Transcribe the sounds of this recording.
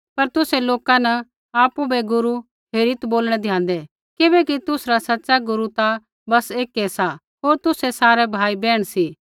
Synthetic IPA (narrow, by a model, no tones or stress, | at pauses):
pɐɾt̪ʊsɛloːkanɐ | aːpubɛɡʊɾu | ɦeːɾɪt̪boːlɽ̃ɛ̃d̪ʱɪjãːnd̪ɛ | kɪbɛkit̪ʊsɾasɐtːʃaɡʊɾut̪a | bɐseːkɛsa | ɦoːɾt̪ʊsɛsaːɾɛbʱaːibɛːɽ̃siː